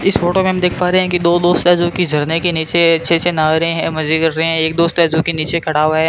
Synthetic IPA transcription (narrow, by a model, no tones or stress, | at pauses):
ɪsfoːʈomẽɐmd̪eːkʰpaːɾeɦɛ̃kid̪oːd̪oːst̪ɛd͡ʒõkid͡ʒʱɐɽnekeniːt͡ʃeɐtːʃʰesenaːɡɾəɦẽɦɛ̃mɐd͡ʒikɐɾːəɦẽɦɛ̃eːk̚d̪oːst̪ɛd͡ʒõkiniːt͡ʃekʰɐɽaɦoaɦɛ